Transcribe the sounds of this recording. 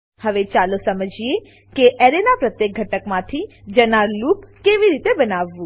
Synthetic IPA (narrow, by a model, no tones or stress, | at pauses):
həʋet͡ʃalosəməd͡ʒije | keʔɛɾenapɾət̪jek̚ɡʱəʈəkmãt̪ʰid͡ʒənaɾlupkeʋiɾit̪ebənaʋːũ